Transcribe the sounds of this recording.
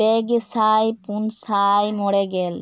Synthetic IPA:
eɡesajpunsajmoɽeɡɛl

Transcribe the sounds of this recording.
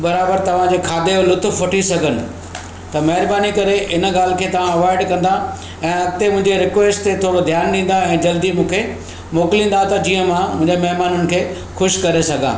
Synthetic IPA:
bɐɾaːbəɾt̪ɐʋ̤ãd͡ʑeːkʰaːd̪eolʊt̪ʊfʋɐʈʰisɐɡʱənɪ̆ | t̪ɐmɐɦɪɾbaːnikɐɾeʔɪn̆ɡaːl̤ɪ̆kʰeːt̪ɐʋ̤ãɐʋaːɪɖkɐ̃nd̪a | ɛ̃ːɐɡ̚t̪emʊ̃ɦɪ̃ɲd͡ʑeɾɪkʋeːsʈt̪et̪ʰoːɽod̪ʱjaːnɗĩːn̆d̪aɛ̃ːd͡ʑɐld̪imũːkʰe | moːklĩːnd̪at̪ɐd͡ʑiːə̃mãmʊ̃ɪ̃ɲd͡ʑemɐɦmaːnʊnɪ̆kʰeː | xʊʃkɐɾesɐɡʱã̰ː

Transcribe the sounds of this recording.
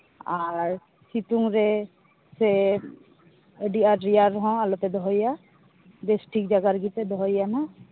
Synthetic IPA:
aɾ | sit̪uŋɾɛ | sɛ | əɖiaɾɾiaɾɦɔ̃alɔt̪ɛd̪ɔɦɔja | besʈʰikd͡ʒaɡaɾɡit̪ɛd̪ɔɦɔjana

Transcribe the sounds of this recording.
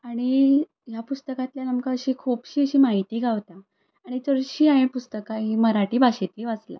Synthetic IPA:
aɽ̃i | japust̪əkat̪ljanəmkaəɕiːkʰupɕiːəɕiːmaɦit̪iːɡʱaʋt̪a | aɽ̃it͡səɾɕiːaẽpust̪əkaɦiməɾaʈiːbʱaɕet̪liːʋasla̰

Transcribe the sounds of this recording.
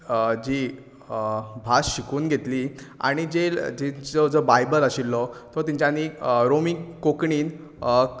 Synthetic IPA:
d͡ʑi | bʱasɕikuːnɡʱet̪lia̰ɽ̃id͡zeld͡ʑid͡zɔd͡zɔbajbələɕilːɔt̪ɔt̪iɲt͡ɕjaniɾomikokɳiːn

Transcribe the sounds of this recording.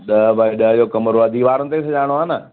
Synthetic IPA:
ɗɐɦbəɗəɦəd͡ʑoːkɐməɾoɐd̪ʱiːʋaːɾənɪt̪eːsɐd͡ʑaːɽ̃oaːnə

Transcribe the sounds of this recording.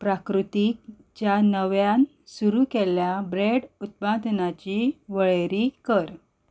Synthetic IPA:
pɾakɾut̪ik̚ | t͡ɕjanəʋjãn | suɾukeljabɾeɽut̪̚pad̪ʱnat͡ɕiʋəɭeɾiːkəɾ

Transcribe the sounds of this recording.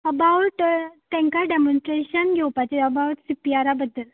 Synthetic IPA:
əbawʈt̪ɛ̃ŋkaɖemonsʈɾeɕənɡʱɛwpat͡ɕeəbawʈsipiaɾabəd̪ːəl

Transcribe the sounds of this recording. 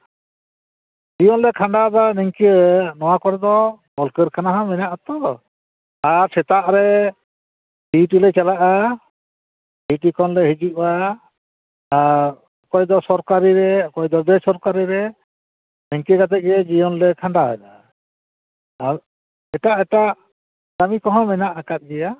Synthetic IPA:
d͡ʒijɔnlɛkʰaɳɖad̪aniŋkiɾɛnɔwakɔɾɛd̪ɔbɔlkəɾkʰanaɦãmɛɲaʔɔt̪ɔ | aɾsɛt̪aʔɾɛ | biʈilɛt͡ʃalaʔa | biʈikʰɔnlɛɦid͡ʒiʔwa | ɾ | ɔkɔjd̪ɔsɔɾkaɾiɾɛkɔjd̪ɔb̪ɛsɔɾkaɾiɾɛ | mɛŋkiɡat̪ɛʔ̚ɾɛd͡ʒijɔnlɛkʰaɳɖaɦɛ̰da̰ | aɾ | ɛʈaʔɛʈaʔ | ɡamikɔɦɔ̃mɛnaʔakat̪̚ɡɛja

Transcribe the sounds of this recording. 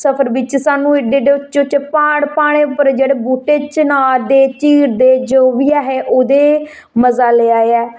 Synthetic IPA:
səpʰəɾbɪt͡ʃsaːnũːɪɖeɖeːʊt͡ʃt͡ʃʊt͡ʃeːpaːɽpaːɽ̃eːʊpːəɾd͡ʒeːɽeːbuːʈeːt͡ʃnaːld̪eːt͡ʃiːɾd̪eːd͡ʒoːʋiaːɦeːʔoːd̪eː | məzaːleːaːeɛː

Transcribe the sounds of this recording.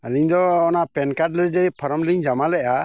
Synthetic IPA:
aliɲd̪ɔɔnaʔpɛnkaʈlɛd͡ʒɛpʰɔɾɔmliɲd͡ʒamalɛʔa

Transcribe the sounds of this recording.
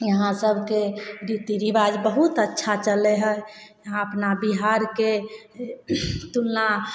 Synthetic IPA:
jəɦãsəbʱkeɾit̪iɾibad͡ʒbəɦut̪ətːʃʰat͡ʃəleɦəj | jəɦãəpnabiɦaɾke | t̪ulna

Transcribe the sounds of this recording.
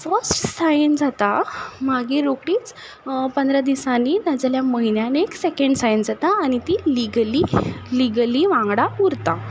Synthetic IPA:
fəsʈsajənd͡zat̪amaɡeɾokɽiːt͡s | pənd̪ɾad̪isanid̪ad͡zaljaməɦinjaneksekəɳɖsajənd͡zat̪aːɽ̃it̪iliɡəliliɡəliʋãŋɡɽauɾt̪a

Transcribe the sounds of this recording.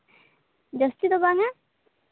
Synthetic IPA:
d͡ʒʌst̪it̪ɔbaŋa

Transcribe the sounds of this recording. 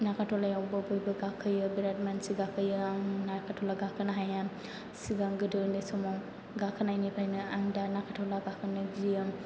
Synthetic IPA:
nakʰatʰɔlajawbɯbɔjbɯɡakʰɯjɯbiɾat̚mansiɡakʰɯjɯaŋnakʰatʰɔlaɡakʰɯnaɦaja | siɡaŋɡɯdɯndesɔmaw | ɡakʰɯnajnipʰajnɯaŋdanakʰatʰɔlaɡakʰɯnɯd͡ʒijɯm

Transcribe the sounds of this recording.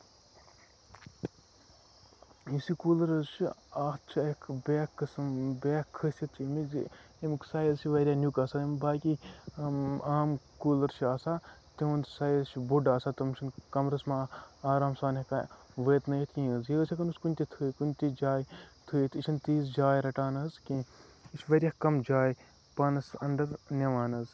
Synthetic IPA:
isikuːlɐɾɐzt͡ʃʰiaːt̪t͡ʃʰiekʰbʲeːkːɐsmbeːkʰːəsʲit̪ʰt͡ʃʰːmiz | imksaːjɐzt͡ʃʰiʋɐɾʲjaːnjukaːsaːimbaːkʲi | aːmkuːlɐɾt͡ʃʰiaːsaːt̪iũnd̪sɐjzt͡ʃʰibuɖaːsaːt̪ɐmt͡ʃʰinkɐmɾɐsmaːaːɾaːmsaːnɐkaʋəːt̪nɐjit̪ʰkʲĩːɐzjeɐt͡ʃʲʰɐkɐnuskunʲt̪ʲit̪ʰɨkunʲt̪id͡ʒaːjt̪ʰujit̪it͡ʃʰint̪iːzd͡ʒaːjɾɐʈaːnɐzkĩit͡ʃʰʋɐɾʲjaːkɐmd͡ʒaːj | pɐnɐsɐɳɖɐɾnʲɐʋaːnɐz

